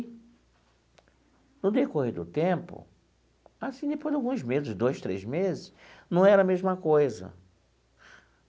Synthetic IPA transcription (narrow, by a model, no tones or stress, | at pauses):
nʊd̪ekohed̪ʊ̰t̪ẽpʊ̰ | asĩd̪epojd̪awɡũzmezɪsd̪ojʃt̪ɾezmezɪsnɐ̃w̃ɛɾɐmezmɐkojzɐ̰